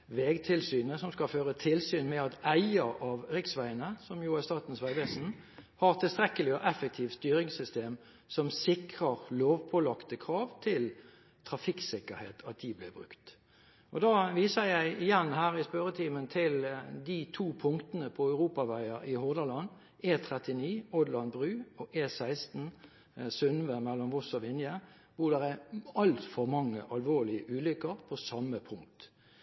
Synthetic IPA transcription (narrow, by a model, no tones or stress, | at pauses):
ʋeːɡt̪ʰɪlsyːnəsɔmskɑføːʁət̪ʰɪlsyːnmɛɑt̪æɪəɑʋʁɪksʋæɪənəsɔmjuːæst̪ɑːt̪n̩sʋæɪʋɛːsn̩ | hɑʁt̪ʰɪlst̪ɾɛkːəlɪɔʔɛfək̚t̪ʰiːʋst̪yːɾɪŋsʏst̪eːm | sɔmsɪkʁəʁloːʋpʰɔlɑkt̪əkʰʁɑːʋt̪ʰɪl | t̪ʰʁɑfɪksɪkːəɾhḛːt̪ʰɑt̪̚d̪ɪblɪbʁʉ̰kt̪ | ʔɔd̪ɑːʋiːsəjæɪɪjɛnːhæːʁɪspœɾət̪ʰiːmənt̪ʰɪld̪it̪ʰuːpʰʊŋkt̪ənəpʰɔœʉʁuːpɑʋæɪəɾɪhʊːd̪əlɑn | eːt̪ʰʁɛt̪ɪniːɔd̪lɑnbʁʉːɔʔeːsæɪst̪n̩ | sʉnʋəmɛlːɔmʋɔsɔʋɪnjə | ʋʊd̪ɛʁæɑlt̪fɔʁmɑŋːəʔɑlʋoːʁlɪəʔʉːlʏkːəɾpʰɔsɑməpʰʊŋkt̪